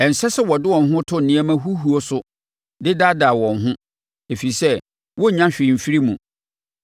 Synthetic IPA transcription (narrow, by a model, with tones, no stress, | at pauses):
ɛ˨n̩˨sɛ˦sɛ˦wɔ˨dɪ˦wɔ̃˨n˨ɦʊ̃˦tʰʊ̃˦n̩˨nĩ˦æ˦mã˦ɦu˦ɦu˨o˦sʊ˦ | dɪ˦da˦da˨wɔ̃˨nɦʊ̃˦ | e˨fi˨sɛ˦ | wɔ˦ɲã˦ɕᶣɪ˨m̩˨fi˦ɾi˦mũ˨